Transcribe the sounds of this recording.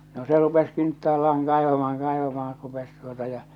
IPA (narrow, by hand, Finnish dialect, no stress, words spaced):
no se rupes kintːɑːlːɑɑŋ kɑiʋɑmɑhɑŋ kɑiʋɑmɑhɑr rupes tuotɑ jɑ